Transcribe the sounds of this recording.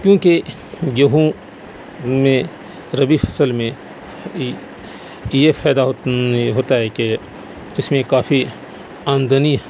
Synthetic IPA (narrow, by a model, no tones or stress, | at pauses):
kjõːke | jɐɦũ | mẽ | ɾɐbifʰɐ̥səlmẽ | jepʰɛːd̪aɦɦoːt̪aɦɛke | ɪsmẽkaːfi | aːnd̪əni